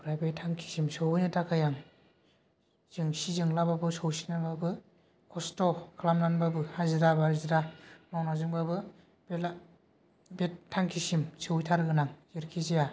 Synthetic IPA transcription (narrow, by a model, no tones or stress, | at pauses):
buɾajbejtʰaŋkʰi̥simsowɯjnɯtʰakʰajaŋ | z̥ɯŋsizɯŋlababɯsowsinababɯ | kʰɔstɔkʰalamnanbabɯhajzɯɾabaɾiziɾamawnazɯŋbabɯ | bela | betʰːaŋkʰisimsɯwjtʰaɾɡɯnaŋzeɾkʰizeja